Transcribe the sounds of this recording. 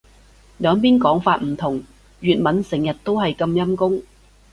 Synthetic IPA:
lœː˨˧ŋp̬iː˥nkɔː˨˥ŋfaː˧t̚m̩˨˩t̪ʰʊ˨˩ŋ | ɥyː˨t̚mɐ˨˥nsɪ˨˩ŋjɐ˨t̚t̪o˥wɦɐ˨jkɐ˧mjɐ˥mkʊ˥ŋ

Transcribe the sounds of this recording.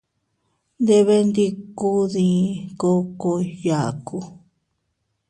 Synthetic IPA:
nd̪e˧βe˧nd̪i˦ku˦ðĩ˧ko˦ko˧ja˨ku˧

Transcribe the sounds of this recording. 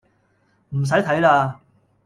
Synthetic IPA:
m̩˨˩s̬ɐ˨˥jt̪ʰɐ˨˥jlaː˧

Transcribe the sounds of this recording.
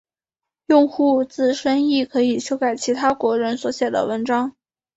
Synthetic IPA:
jʊ˥˧ŋxu˥˧t͡sɹ̩˥˩ʂə˥ni˥˩kʰɤ˧˥i˨˩ɕjo˥ʊka˥˩ɪt͡ɕʰi˧˥t̪ʰa˥kwɔ˧˥ɻə˧˥nswɔ˨˧˥ɕjɛ˨˩d̪ə̰˦wə˧˥nʈ͡ʂɑ˥ŋ

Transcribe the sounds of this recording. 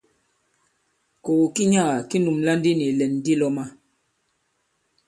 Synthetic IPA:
ko˨ɣu˨ki˦ɲa˦˨ɣa˨ki˦nu˨mla˦n˦di˦ni˨lɛ˨nː˦di˦lɔ˦ma˦

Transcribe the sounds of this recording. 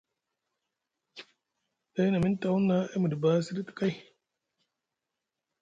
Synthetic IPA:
da˦jna˨mi˦n˦ta˨wu˦nːa˦ʔe˦mu˨di˨ba˦si˦ɾi˦t̪i̥˨ka˦j

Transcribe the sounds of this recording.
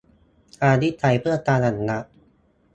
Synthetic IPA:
ʔaː˧di˦˥t̪ʰːa˧˩jpʰɯ˥˩ɐk̪aː˧na˨˩nːa˦˥ʔ

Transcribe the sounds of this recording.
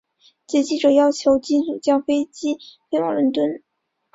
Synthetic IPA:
t͡ɕjɛ˧˥t͡ɕi˥˩ʈ͡ʂɤ˨˩jɑ˥˩ʊt͡ɕʰjo˧˥ʊt͡ɕi˥t͡su˨˩t͡ɕjɑ˥ʊfe˥ɪt͡ɕi˥fe˥ɪwɑ̰˨˩ŋlwə˧˥nt̪wə˥n

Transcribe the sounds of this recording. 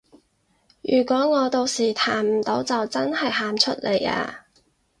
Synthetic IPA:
jyː˨˩kʷɔː˨˥ŋɔː˨˧t̪o˧wsiː˨˩t̪ʰaː˨˩m̩˨˩t̪o˨˥wt͡sɐ˨wt͡sɐ˥nhɐ˨˩jɦaː˨˩mt͡ʃʰɵ˥t̚lʔe˨˩ja̰ː˧

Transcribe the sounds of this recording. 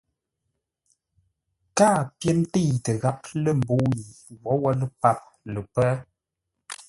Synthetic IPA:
kaː˦˨pjɛ˦ntə˦˨tə˨ɣa˦p̚lə˦m̩˨bo˦ji˨wɔ˨˦wɔ˦lə˦pa˦˨p̚ | lə˨pɛ˦

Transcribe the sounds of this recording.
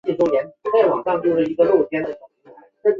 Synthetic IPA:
i˥˩ʈ͡ʂwo˥njɛ˧˥nt͡sa˥˩ɪwɑ̰˨˩ŋʂɑ˥˧ŋt͡ɕjo˥˧ʊʂɻ̩˥˩i˧˥ɡə˧lo˥˩ʊt͡ɕʰjɛ˥nd̪ə˨˩t͡ɕo˨˩˥

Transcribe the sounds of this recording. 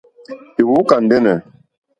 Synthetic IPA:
i˨wu˨˦ka˨n̩˨dɛ˦nɛ˨

